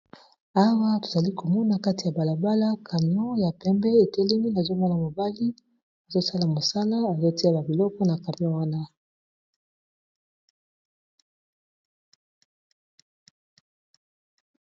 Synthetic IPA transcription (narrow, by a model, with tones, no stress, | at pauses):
a˦wa˦to̥˨za˨li˦ko˨mɔ˦na˨ka˦ti˨ja˨ba˨la˨ba˦la˦kʰa˨mi˨ɔ̃˦ja˨pɛ˦mbɛ˦e˨tɛ˦le˦mi˦na˨zo˦mɔ˦na˨mo˨ba˦li˦ | a˨zo˦sa˦la˨mo˨sa˦la˦a˨zo˦ti˦a˦˨ba˨bi˨lɔ˦kɔ˦na˨ka˨mi˨˦ɔ̃˦wa˦na˦